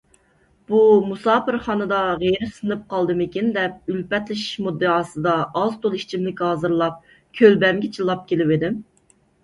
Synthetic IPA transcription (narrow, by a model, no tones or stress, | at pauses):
b̥umusɑːpɨɾχɑːnɨd̪ɑʁeɾɪsɨnɨp̚qʰɑlˠd̪ɨmɪkʲind̪ɛp̚ylpɛt̪lɪʃi̥ʃmud̪ːɨɑːsɨd̪ɑɑzt̪ʰolˠi̥t͡ʃʰimlɪkʲhɑːzɨɾlˠɑp̚ | kʲʰølbɛmɡʲɛt͡ʃʰilˠːɑp̚kʲelɪvɪd̪ɪm